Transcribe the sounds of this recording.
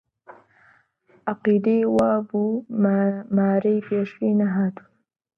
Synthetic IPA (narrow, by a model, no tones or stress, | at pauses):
ʔɑqiːd̪ejwaːbuː | maːɾɐjpeːʃinɐɦaːt̪u̥